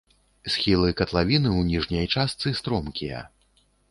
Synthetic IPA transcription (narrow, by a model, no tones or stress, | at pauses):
sʲxʲilˠɨkɐt̪lˠavʲinɨwnʲiʐnʲɐjt͡ʂast̪sɨst̪ɾɔmkʲijɐ̰